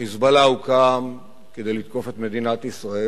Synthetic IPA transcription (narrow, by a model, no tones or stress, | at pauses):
izbalaukam | ked̪ejlit̪ko̞fe̞t̪me̞d̪inat̪isʁae